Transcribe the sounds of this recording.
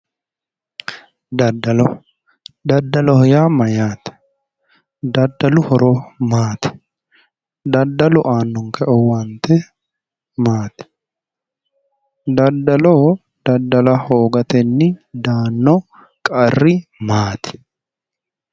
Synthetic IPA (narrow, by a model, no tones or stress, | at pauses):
d̪ɐd̪ːɐlɔ | d̪ɐd̪ːɐlɔhɔjaːmɐjaːt̪ | d̪ɐd̪ːɐlʊhɔɾoːmaːt̪ɪ̥ | d̪ɐd̪ɐlʊʔaːnːɔŋkɐʔɔwant̪ɛ | maːt̪ɛ̥ | d̪ɐd̪ːɐlɔ | d̪̥ɐd̪ːɐlɐhoːɡɐt̪ɛnːɪd̪aːnːɔ | kʼɐrːɪmaːt̪ɪ̥